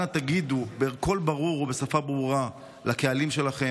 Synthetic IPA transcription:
at̪aɡid̪ubeːʁko̞lbaʁuʁobe̞safabʁuʁa | lake̞alimʃe̞laχe̞

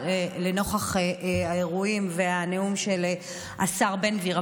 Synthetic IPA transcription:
ele̞no̞χaχeʔaeʁuimveaneumʃe̞le | ʔasaʁbe̞nviʁa

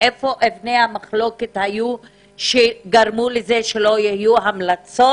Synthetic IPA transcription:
ʔefo̞ʔevnehamaχlo̞ket̪haju | ʃeɡaɾmulezeʃelo̞jehjuɦamlat͡so

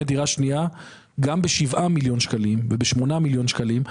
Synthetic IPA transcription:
ediʁaʃnia | ɡambeʃivʔamiljo̞nʃkalimvebeʃmonamiljo̞nʃkalim

